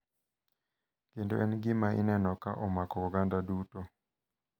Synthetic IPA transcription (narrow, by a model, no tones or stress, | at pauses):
kendo̰ʔɛnɡɪmaḭnɛnɔka̰ʔɔmakɔɔɡandaduto